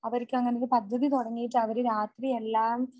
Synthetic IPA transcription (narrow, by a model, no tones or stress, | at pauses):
ɐʋɐɾikʲːuɐŋːɐnejepɐd̪ʱːɐðit̪oɽɐŋːijiʈːɨɐʋɐɾeɾaːt̪rielːaːm